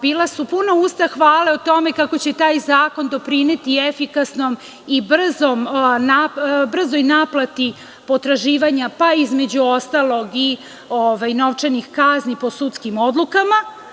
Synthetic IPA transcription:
biːlasupunoust̪axʋaːleot̪o̞me̞kako̞t͡ɕe̞t̪aːjzaːko̞nd̪o̞pɾine̞t̪ie̞fikasno̞m | ibr̩zomnabr̩zojnaːplˠat̪i | po̞t̪ɾaʒiːʋaɲapaizme̞d͡ʑuo̞st̪alˠo̞ɡi | oʋajno̞ʋt͡ʃenixkaznipo̞sut̪skimo̞d̪lˠukama

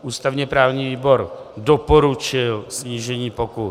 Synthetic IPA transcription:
ʔuːst̪avɲɛpɾaːvɲiːviːbo̞ɾdopoɾut͡ʃɪlsɲiːʒɛɲiːpoku

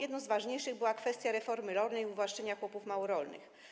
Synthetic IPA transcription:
jɛd̪nɔ̃zvaʐɲejʂɘɣbɘwakfɛst̪ʲjaɾɛfɔɾmɘlɔɾnɛjuvwaʂt͡ʂɛɲakwɔpufmawɔɾɔlnɘ̰x

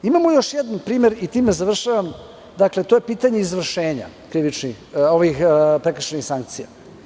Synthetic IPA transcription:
imamojo̞ʃjɛd̪anpɾiːmeɾit̪iːmezaʋr̩ʃaʋam | d̪akle̞t̪o̞jepiːt̪aɲe̞izʋr̩ʃeːɲa̰ | kɾiʋit͡ʃnixoʋixpɾekr̩ʃenixsaŋk̚t̪sija̰

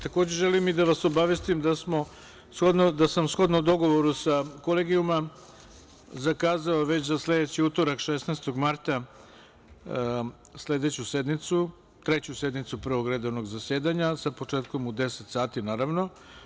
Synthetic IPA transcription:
t̪ako̞ːd͡ʑe̞ʒe̞limid̪aʋaso̞baʋest̪imd̪asmo̞ | sxod̪nod̪asamsxo̞d̪nod̪o̞ɡo̞ʋoɾusako̞leɡiuma | zakaːzaoʋe̞t͡ɕzasle̞d̪et͡ɕiut̪o̞ɾakʃesnaːst̪o̞ɡmaɾt̪a | sle̞d̪et͡ɕuse̞d̪nit̪su | t̪ɾe̞t͡ɕuse̞d̪nit̪supɾʋoɡɾed̪ono̞ɡzase̞ːd̪aɲasapo̞t͡ʂeːt̪komud̪e̞set̪saːt̪inaːɾaʋno̞

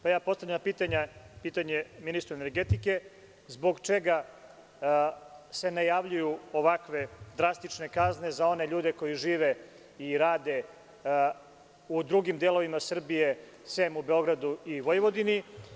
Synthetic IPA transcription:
pajaːpo̞st̪avʎampiːt̪aɲapiːt̪aɲeminist̪ɾoene̞ɾɡet̪ike̞ | zbo̞ɡt͡ʃe̞ɡa | se̞najaʋʎujuo̞ʋakʋe̞d̪ɾast̪it͡ʂne̞kazne̞zao̞ne̞ʎuːd̪e̞ko̞jiʒiːʋe̞ | iɾaːd̪e̞ | ud̪ɾuɡimd̪elˠo̞ʋimasr̩bije̞ | semube̞o̞ɡɾad̪uiʋojeʋo̞d̪ini

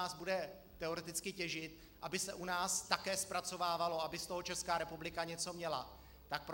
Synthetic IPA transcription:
aːzbudɛ | t̪ɛo̞ɾɛt̪ɪt͡skɪcɛʒɪt̪̚ | ʔabɪsɛʔunaːst̪akɛːspɾat͡so̞vaːvalo̞abɪst̪o̞ɦot͡ʃɛskaːɾɛpublɪkaɲɛt͡so̞mɲɛla | t̪ak̚pɾ

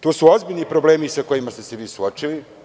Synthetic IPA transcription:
t̪uːsuo̞zbiʎʲnipɾo̞ble̞ːmisako̞jimast̪e̞seʋiːsuot͡ʃili

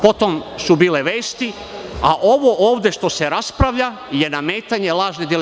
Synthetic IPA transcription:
po̞t̪omsubiːleʋe̞ːst̪i | aʔo̞ʋo̞ʔoːʋd̪e̞ʃt̪o̞se̞ɾaspɾaʋʎa | je̞name̞ːt̪aɲe̞lˠaːʒned̪el

